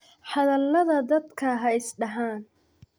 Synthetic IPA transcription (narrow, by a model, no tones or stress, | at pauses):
ħɑðɐlːɐðɐd̪ɐd̪kʰɐɦɐɪsɖɐɦaːn